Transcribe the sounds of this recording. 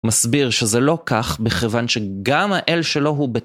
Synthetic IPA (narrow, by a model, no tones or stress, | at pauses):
masbiʁʃezelo̞kaχbeχevanʃeɡamhaʔelʃe̞lo̞ɦube